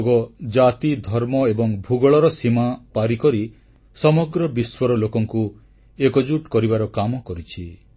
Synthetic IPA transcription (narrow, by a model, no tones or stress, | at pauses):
ɡɔd͡ʒat̪id̪ʱɔɾmɔebɔŋbʱuɡɔɭɔɾɔsimapaɾikɔɾi | sɔmɔɡɾɔbiswɔɾɔlokɔŋku | ekɔd͡ʒuʈkɔɾibaɾɔkamɔkɔɾit͡ʃʰi